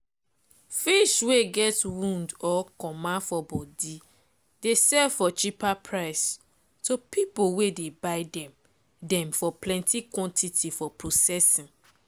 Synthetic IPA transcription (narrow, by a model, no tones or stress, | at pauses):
fiʃweɡɛtwũndɔkɔmãfɔbɔdi | desɛvfɔt͡ʃipapʰɹaɪs | topipowedebaɪdɛ̃m | dɛ̃mfɔplɛ̃ntʰikwɔ̃ntʰitʰifɔpɹosɛsĩn